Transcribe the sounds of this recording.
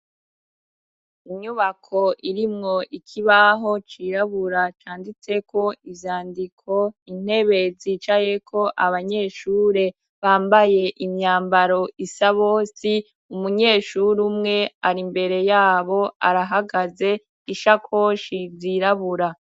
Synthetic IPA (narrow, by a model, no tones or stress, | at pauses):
iɲuβakʰo̞ʔiɾimŋo̞ʔikʰiβaɦo̞t͡ʃiːɾaβuɾat͡ʃaːndit͡se̞kʰo̞ivjaːndikʰo̞in̥e̞βe̞ziːt͡ʃaje̞kʰo̞ʔaβaɲe̞ːʃuːɾe̞ | βaːmbaje̞ʔimɲaːmbaɾo̞ʔisaβoːsi | umuɲe̞ːʃuɾumŋe̞aɾimbe̞ɾe̞jaːβo̞aɾaɦaɡaze̞ | iʃakʰo̞ʃiziːɾaβuɾa